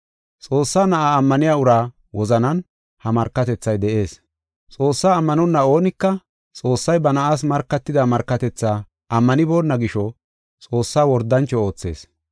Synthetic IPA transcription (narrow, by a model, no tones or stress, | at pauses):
t͡sʼo̞ːsːaːnɐʔaːmːɐnɪjaːʊɾaː | wɔzɐnɐn | hɐmɐɾkːɐt̪ɛt͡sːɐjd̪ɛʔe̞ːs | t͡sʼo̞ːsːaːmːɐnɔnːɐo̞ːnɪkːɐ | t͡sʼo̞ːsːɐjbɐnɐʔaːs̬mɐɾkːɐt̪ːɪd̪amɐɾkːɐt̪ɛt͡sːaː | ɐmːɐnɪbo̞ːnːɐɡɪʃɔ | t͡sʼo̞ːsːaːwɔɾd̪ːɐnt͡ʃːɔo̞ːt͡sːe̞̰ːs